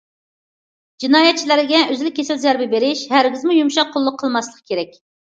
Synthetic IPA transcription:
d͡ʒinɑːjɛt̪̚t͡ʃʰilæɾɪɡʲɛʔøzlɪkʲʰːesɪlzæɾbɪbeɾɪʃhæɾɡʲɪzmujumʃɑqʰːolˠːʊqʰːəlˠmɑslˠəqkʲʰeɾɛk̚ʲ

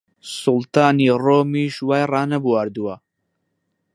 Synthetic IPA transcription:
sʊlt̪aːniːroːmiːʃwaːjrɑːnɐbuwaɾd̪uwɐ

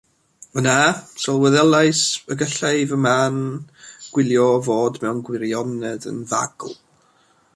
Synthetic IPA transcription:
mənasɔlˠwɛðɛlˠaɨsəɡəɬajvəmanɡ̥wɪlˠjɔvoːdmɛwnɡwɪɾjɔnɛdə̰nva̰ɡ̥l̩ˠ

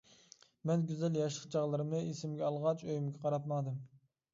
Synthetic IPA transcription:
mɛnɡʲyzɛljɑʃlˠə̥q̚t͡ʃʰɑʁlˠɨɾɨmɨesɪmɡʲɛɑlˠʁɑt͡ʃʰøjymɡʲɛqʰɑɾɑt̪̚mɑd̪ɨm

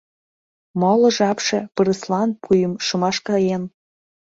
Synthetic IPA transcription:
molɤ̆ʒɑpʃĕpɤɾə̆slˠɑnpʰujə̆mʃɤmɑʃkɑjen

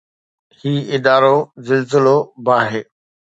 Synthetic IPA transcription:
hiːɪd̪aːɾozɪlzɪlobaːɦeː

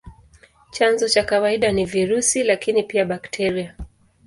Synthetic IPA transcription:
t͡ʃanzɔt͡ʃakawaiɗaniviɾusilakinipiaɓaktʰɛɾia

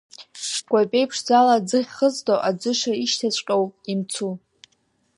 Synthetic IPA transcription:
ɡ̥ʷapʲʼejpʰʂd͡zalad͡zɨʁʲχəzdowʔad͡ʒʷɨʂaiʃtʰat͡ɕʷʼqʲʼowimt͡sʰu

